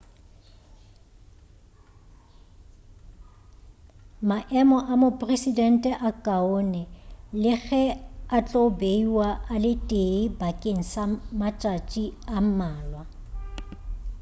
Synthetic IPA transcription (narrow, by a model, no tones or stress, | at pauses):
maʔɛmɔʔamopʼresidɛn̩tʼɛʔakʼaonɛlɪɣɛat͡ɬʼobeiwaʔalɪtʼeibakʼeŋ̩samat͡ʃʼat͡ʃʼiam̩maːlwa